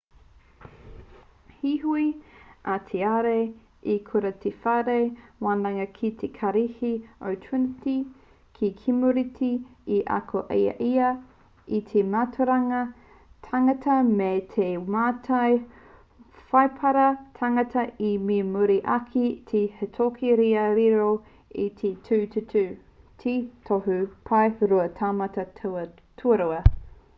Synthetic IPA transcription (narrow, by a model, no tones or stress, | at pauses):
hiɦuiʔɐt̪ʰeaɾe | ikʰuɾɐtʰefɐɾewaːnɐŋɐkʰit̪ʰekʰɐɾihio̰wtʰuniti | kʰikʰimuɾitʰiiʔa̰kʰoʔḛjɐ̰ʔiɐ | itʰemaːtʰoɾɐŋɐ | tʰaŋɐtʰɐmet̪ʰemaːtʰɐj | fɐjpʰɐɾɐtʰaŋɐtʰɐimimuɾiʔɐkʰit̪ʰihetʰokʰiɾiɐɾiɾo | it̪ʰetʰʉːtʰutʰʉː | t̪ʰitʰoɦupʰɐjɾuɐtʰaːmɐtɐtʰɐ | tʰuɐɾuɐ